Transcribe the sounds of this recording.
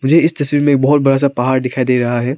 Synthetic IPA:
mʊd͡ʒʱeɪst̪ɐswiːɾmẽːk̚bɔɦʊt̪̚bɐɽas̬apɐɦaːɾɖ̪ɪkʰaːid̪eːɾɐɦaɦɛː

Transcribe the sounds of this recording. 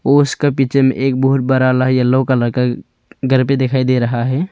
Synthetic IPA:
oʊskapit͡ʃʰemḛ̃ʔeːk̚buɦʊt̪̚bəɾalaɦjəlːəkaləka | ɡʱəɾpẽd̪ekʰaːid̪eɾəɦaɦɛː

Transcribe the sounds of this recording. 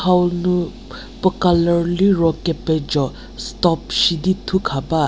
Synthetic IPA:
awlnu | pɔkalaɾliɾɔkeped͡ʒɔ | stɔpʃiditʰukʰaba

